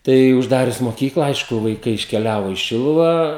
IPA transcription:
ˈtɐɪ ʊʒˈdɑːrʲʊs moːˈkʲiːklˠɐ ˈɐɪʃkʊ ʋɐɪˈkɐɪ ɪʃʲkʲɛˈlʲæːʋoː iː ˈʃʲɪlˠʊʋɑː

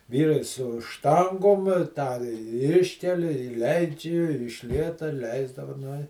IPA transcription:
ˈʋʲiːrɐɪ sʊ ˈʃtɐŋɡoːm tɑː ˈɪʃʲkʲɛlʲɪ ɪ ˈlʲɛɪd͡ʒʲɪ ɪ ɪʃ ˈlʲiɛtɐ ˈlʲɛɪzdɐʋɐ ˈnʊ ɪ

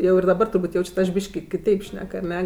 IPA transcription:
jɛʊ ɪr dɐˈbɐr tʊrˈbuːtʲ ˈjɛʊt͡ʃʲɛt ɐʃ ˈbʲiːʃʲkʲɪ kʲɪˈtʲɛɪp ˈʃʲnʲɛk ɐˈnʲɛ

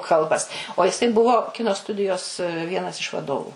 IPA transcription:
ˈkɐlˠbɐs oː jɪˈsɐɪ ˈbʊʋoː ˈkʲɪnoː ˈstʊdʲɪjoːs ˈʋʲiɛnɐs ɪʃ ʋɐˈdoːʋʊ

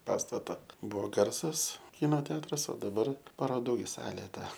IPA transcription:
ˈpɑːstɐtɐ ˈbʊʋoː ˈɡɐrsɐs ˈkʲiːnoː ˈtʲɛɐtrɐs oː dɐˈbɐr pɐroːˈduː ɡʲɪ ˈsɑːlʲeː ˈtɐ

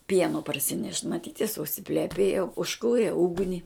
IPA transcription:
ˈpʲiɛnoː pɐrʲsʲɪˈnʲɛʃt mɐˈtʲiːt jɪs ʊʃʲsʲɪpʲlʲɛˈpʲeːjoː ʊʃˈkuːrʲeː ˈʊɡnʲɪ

